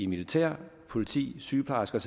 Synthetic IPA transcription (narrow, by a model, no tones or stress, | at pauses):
imilit͡sʰæ̰ɐ̰pʰo̝lit͡sʰḭːsyːpʰɑ̈sɡ̥ɒs